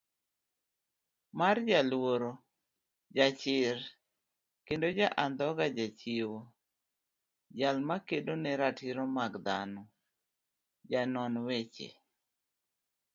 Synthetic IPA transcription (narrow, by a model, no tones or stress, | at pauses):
mard͡ʒalwoɾo | d͡ʒat͡ʃɪɾ | kendod͡ʒaʔand̪ɔɡad͡ʒat͡ʃiwo | d͡ʒalmakedonɛɾatɪɾɔmaɡd̪anɔ | d͡ʒanɔnwet͡ʃḛ